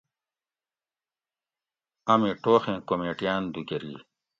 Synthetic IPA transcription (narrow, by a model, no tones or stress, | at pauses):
ɐmeʈoːxẽːkomeːʈijaːnd̪uɡeɾḭː